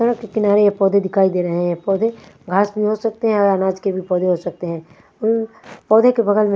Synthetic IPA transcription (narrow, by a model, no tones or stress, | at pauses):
t̪ɐɾə̃kekɪnaːɾejepɔːd̪ʱed̪ɪkʰaːid̪eːɾɐɦeɦɛ̃pɔːd̪ʱeɡʱaːsbʱiɦosək̚t̪eɦɛ̃ɔːɾənaːd͡ʒkebʱipɔːd̪ʱeɦosɐk̚t̪eɦɛ̃ː | ʊn | pɔːd̪ʱekebɐɡəlmẽ